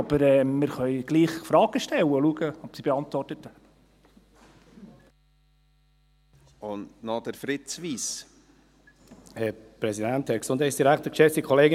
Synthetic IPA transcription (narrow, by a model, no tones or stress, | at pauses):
ɑb̥əɾɛːmɪɾχœʏɡ̥liːχfɾɑːɡ̥əʃtɛwəluəɡəɔpsib̥eɑntʋɔrtət̪ə | ʊndnɔd̥əɾfɾɪt͡sʋiːs | hɛɾpɾɛsidænthæɾksʊndhɛɪsd̥iɾæktəkʃɛfdikʰɔleːɡə